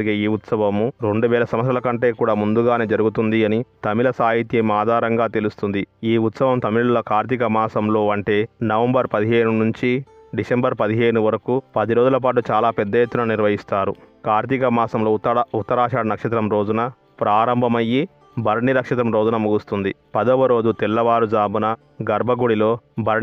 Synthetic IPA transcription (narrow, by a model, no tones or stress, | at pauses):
iɡeːiːut̪sɐʋɐmːuɾeɳɖuʋɛːlɐsɐmɐt̪ɾɐlɐkɐɳʈe̞ːkuːɽaːmund̪uɡaːneːd͡ʒɐɾuɡut̪und̪iɐnit̪ɐmilɐsaːɦit̪jɐmaːd̪ʱaːɾɐŋɡaːt̪elust̪und̪iiːut̪sɐʋɐmt̪ɐmilɐlɐkaːɾt̪ik̬ɐmaːsɐmlo̞ːɐɳʈe̞ːnɐʋɐmbɐɾpɐd̪iɦe̞ːnunuɲt͡ʃi | ɖisembɐɾpɐd̪iɦe̞ːnuʋɐɾɐkupɐd̪iɾo̞ːd͡ʒulɐp̬aːʈ̬ut͡ʃaːlaːpɛd̪ːɐjet̪ːunɐniɾʋɐɦist̪aːɾṵkaːɾt̪ikɐmaːsɐmlo̞ːut̪ːɐɾaːʂaːɽɐnɐkʂɐt̪ɾɐmɾo̞ːd͡ʒunɐ | pɾaːɾɐmbʱɐmɐjːi | bʱɐɾɳiɾɐkʂɐt̪̬ɾɐmɾo̞ːd͡ʒunɐmuɡust̪und̪ipɐd̪ɐʋɐɾo̞ːd͡ʒut̪ɛlːɐʋaːɾud͡ʒaːbunɐ | ɡɐɾbʱɐɡuɽilo̞ːbʱɐɾ